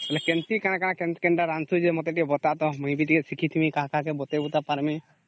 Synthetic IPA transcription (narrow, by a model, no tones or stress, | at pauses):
kɛlɛkɛnt̪iʔkanakanakɛnkɛɳɖaɾansud͡ʒɛmɔt̪ɛʈibɔt̪aʔt̪ɔmũj̃bit̪ikɛsikʰit̪ʰimĩkaɦakakɛbɔt̪ɛbut̪apaɾmi